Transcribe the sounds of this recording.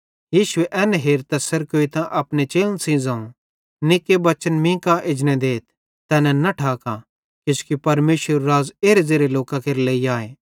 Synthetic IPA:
jiːʃʊeʔɛːnɛɦeːɾt̪ɛsɐɾkoːit̪ãʔɐpnet͡ʃeːlənsĩzãːũ | nɪkːebɐt͡ʃənmĩːkaʔɪd͡ʒnɛ̃d̪eːt̪̚ʰ | t̪ɛːnɛ̃nɐʈʰaːka | kɪskipɐɾmeːsəɾːaːzeːɾezeːɾeloːkakeːɾleːiaːeː

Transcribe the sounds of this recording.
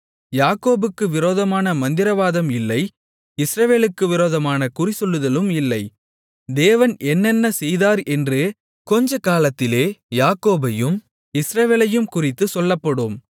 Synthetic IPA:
jaːkoːbɯkːɯʋɪɾoːðɐmaːnɐmɐnd̪ɪɾɐʋaːðɐmɪlːɐɪ | ɪsɾɐʋeːlɯkːɯʋɪɾoːðɐmaːnɐkʊrɪsɔɭːɯðɐlɯmɪlːɐɪ | d̪eːʋɐnʔɛnːɛnːɐsɛjðaːɾɛndrɯ | kɔɲd͡ʒɐkaːlɐt̪ːɪleːjaːkoːbɐjɯm | ɪsɾɐʋeːlɐjɯmkʊrɪt̪ːɯsɔlːɐpːɐɽɯm

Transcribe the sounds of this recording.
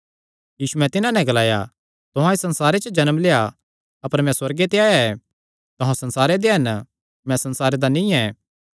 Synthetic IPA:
jiːsuɛ̃t̪ɪnãnɛ̃ɡɐlaːja̰ | t̪ʊɦãesɐ̃nsaːɾet͡ʃəd͡ʒɐnəmleːa | ɐpəɾmɛ̃swɐɾɡet̪eaːjaɛ | t̪oɦãsɐ̃nsaːɾed̪eɦɐn | mɛ̃sɐnsaːɾed̪anĩːɛ̃ː

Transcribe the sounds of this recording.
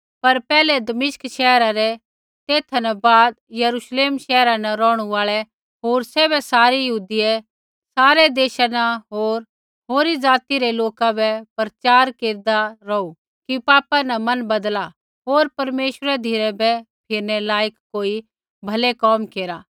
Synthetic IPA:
pɐɾpɛːlɛd̪ɐmɪʃkʃɛːɾaɾɛ | t̪eːt̪ʰnɛbaːd̪jɐɾuʃleːmʃɛːɾãnɐɾɔːɽ̃uaːɭɛ | ɦoːɾsɛːβɛsaːɾijɐɦuːd̪ijɛ | saːɾɛd̪eːʃanaɦoːɾ | ɦoːɾid͡zaːt̪iɾɛloːkabɛpɾɐt͡ʃaːɾkeːɾd̪aɾɔu | kipaːpãnɐmɐnbɐd̪la | ɦoːɾpɐɾmeːʃwəɾɛd̪ʱiɾɛbɛpʰɪɾnɛlaːjəkkoːi | bʱɐlekɔːmkeːɾaː

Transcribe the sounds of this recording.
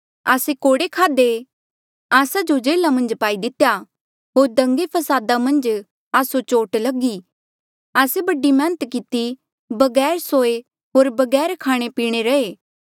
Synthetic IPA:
a̰ːsekoːɽekʰaːd̪e | aːsad͡ʒod͡ʒeːlamɐ̃nd͡ʒpaːid̪ɪt̪ːeja | ɦoːɾd̪ɐ̃ŋɡepʰɐsaːd̪amɐ̃nd͡ʒ | aːsot͡ʃoːʈlɐɡi | aːsebɐɖimɛ̃ːnət̪kɪt̪i | bɐɡɛːɾsoːe | ɦoːɾbɐɡɛːɾkʰaːɽ̃epiːɽ̃eɾɐeː

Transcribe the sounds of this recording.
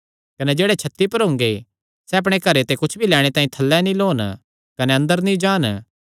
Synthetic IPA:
kɐned͡ʒeːɽet͡ʃʰɐt̪ːipɐɾɦʊ̃ŋɡe | sɛɐpɽ̃ekɐɾet̪ekʊt͡ʃʰbʱilɛːɽ̃et̪ãːĩt̪ʰɐlːɛnĩloːn | kɐneɐ̃nd̪əɾnĩd͡ʒaːn

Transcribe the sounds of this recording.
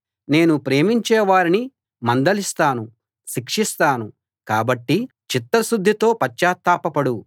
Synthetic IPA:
ne̞ːnupɾe̞ːmiɲt͡ʃɛːʋaːɾini | mɐnd̪ɐlist̪aːnu | ʃikʂist̪aːnu | kaːbɐʈːi | t͡ʃit̪ːɐsud̪ʱːit̪o̞ːpɐt͡ʃːaːt̪ːaːpɐpɐɽu

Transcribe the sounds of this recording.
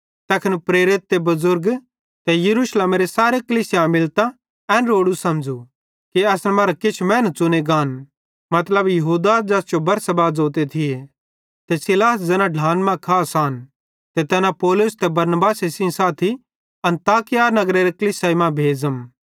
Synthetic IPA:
t̪ɛːkʰɪnpɾeːɾɪt̪̚ːebɐzʊɾɡ | t̪ɛjɐɾuːʃleːmɾesaːɾekɐliːsɪjãmɪlt̪a | ɛ̃ːnɾoːɽusɐmd͡ʒu | kiɐsnɛmɐɾakɪt͡ʃʰmɛ̃ːnt̪̚t͡sʊneɡaːn | mɐt̪ləbjɐɦuːd̪aːd͡ʒɛːsd͡ʒobɐɾsɐbaːd͡zoːt̪̬et̪ʰie | t̪ɛsɪlaːs̬d͡zɛːnãɖʱãːnmɛ̃kʰaːsaːn | t̪ɛt̪ɛːnãpɔːlʊst̪ɛbɐɾnbaːsesĩsaːt̪ʰi | ɐ̃nt̪aːkɪjanɐɡɾeɾekɐliːsaimãbʱeːzəm

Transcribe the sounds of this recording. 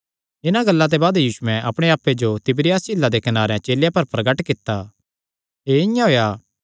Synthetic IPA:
ɪnãɡɐlːat̪̬ebaːd̪jiːsʊɛ̃ʔɐpɽ̃eaːpːed͡ʒot̪ɪbɾɪjaːsɪlːad̪ekɐnaːɾeãt͡ʃeːljapɐɾpɾɐɡəʈkɪt̪ːa | eɪjãɦoːjaː

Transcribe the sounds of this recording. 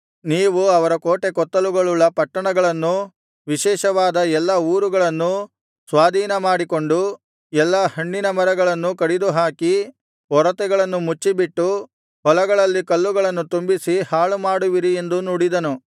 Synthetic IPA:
niːʋuɐʋɐɾɐkoːʈekɔt̪ːɐluɡɐɭulːɐpɐʈːɐɳɐɡɐɭɐnːu | ʋiʃɛːʃɐʋaːd̪ɐɛlːɐuːɾuɡɐɭɐnːu | sʋaːd̪ʱiːnɐmaːɽikoɳɖu | ɛlːɐhɐɳːinɐmɐɾɐɡɐɭɐnːukɐɽid̪uɦaːki | ɔɾɐt̪ɛɡɐɭɐnːumut͡ʃːibiʈːu | ɦɔlɐɡɐɭɐlːikɐlːuɡɐɭɐnːut̪umbisihaːɭumaːɽuʋiɾie̞nd̪unuːɽid̪ɐnu

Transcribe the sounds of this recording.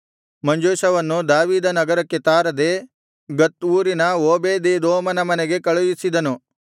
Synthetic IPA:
mɐɲd͡ʒoːʃɐʋɐnːud̪aːʋiːd̪ɐnɐɡɐɾɐkːet̪aːɾɐd̪e | ɡɐt̪uːɾinɐoːbeːd̪ed̪oːmɐnɐmɐneɡe̞kɐɭujisid̪ɐnu

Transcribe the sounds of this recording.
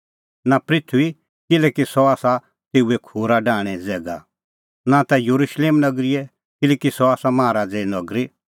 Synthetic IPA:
napɾɪt̪ʰui | kɪlɛːkisɔaːsa | t̪eːuekʰuːɾaɖaːɽ̃ɛd͡zɛːɡa̰ | nat̪ɛjɐɾuʃleːmnɐɡɾɪɛ | kɪlɛːkisɔaːsamaːɾaːd͡zenɔɡɾi

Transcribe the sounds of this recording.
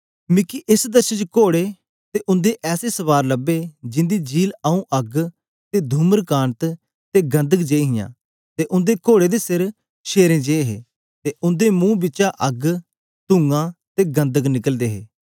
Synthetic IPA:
mɪkiʔɪsd̪əɾʃət͡ʃkoːɽeː | t̪eːʔʊ̃nd̪eːʔɛːseːsəʋaːɾləbeːd͡ʒɪ̃nd̪iːd͡ʒiːləũːʔəɡ | t̪eːd̪ʱuməɾkaːɳt̪ | t̪eːɡə̃nd̪əkd͡ʒeːiɦɪjã̰ː | t̪eːʔʊ̃nd̪eːkoːɽeːd̪eːsɪɾ | ʃeːɾẽːd͡ʒeːɦeː | t̪eːʔʊnd̪eːmũːbɪt͡ʃaːʔəɡ | t̪ʊ̃ŋɡãːt̪eːɡə̃nd̪əknɪkəld̪eːɦḛː

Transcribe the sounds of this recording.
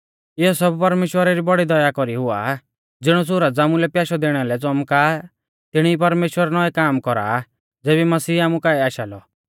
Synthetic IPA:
ɪɦɔsɔbpɐɾmeːʃwəɾaɾibɔɽid̪ɔjakɔɾiɦʊa̰ | d͡zɪɽ̃ɔs̬ʊɾad͡zaːmʊlɛpjaːʃɔd̪eːɽ̃alɛt͡sɔmka | t̪ɪɽ̃iipɐɾmeːʃwəɾanɔɛkaːmkɔɾa̰ | d͡zeːβimɐsiːaːmukaiaːʃaːlɔ̰

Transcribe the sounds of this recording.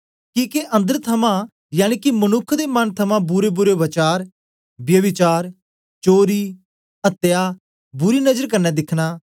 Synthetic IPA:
kiːkeʔə̃nd̪əɾt̪ʰɐmã | jaːɽ̃iːkimənʊkʰd̪eːmɐnt̪ʰɐmãbʊɾebʊɾeʋɐt͡ʃaːɾ | bjɐʋɪt͡ʃaːɾ | t͡ʃoːɾiː | ət̪ːɪjaː | bʊɾiːnəd͡ʒəɾkəɾnɛːd̪ɪkʰñaː

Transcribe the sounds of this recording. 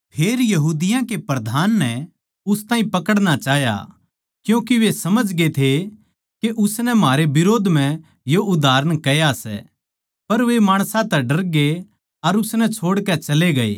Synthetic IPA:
pʰeːɾjɐɦuːd̪ɪjãkepɾɐd̪ʱaːnːɛ | ʊst̪aːĩpɐkəɽɽ̃at͡ʃaːɦja̰ | kjũːkiʋesɐməd͡ʒɡet̪ʰe | keʔʊsnɛmaːɾebɪɾoːd̪ʱm̤ɛ̃ | joʔʊd̪ʱaːɾəɽ̃kɐjasɛ̰ | pɐɾʋemaːɽ̃sãt̪ɛɖɐɾɡe | ɐɾʊsnɛt͡ʃʰoːɽkɛt͡ʃɐleɡɐḛː

